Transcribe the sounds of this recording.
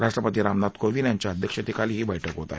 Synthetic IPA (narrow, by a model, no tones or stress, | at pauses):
ɾaʂʈɾəpət̪iːɾamnat̪koʋiːnjaɲt͡ɕaəd̪ʱjəkʂət̪ikaliːɦiːbəjʈʰəkɦot̪a̰e